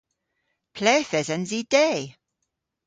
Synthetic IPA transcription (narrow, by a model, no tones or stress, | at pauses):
pʰlɛːθɛzənzid̥eː